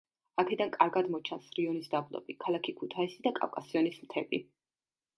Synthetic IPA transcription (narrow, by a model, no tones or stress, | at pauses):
akʰɛd̪ankʼaɾɡad̪mɔt͡ʃʰansɾiɔnisd̪ablˠɔ̰bikʰalˠakʰikʰut̪ʰaisid̪akʼa̰fkʼasiɔnismt̪ʰɛbi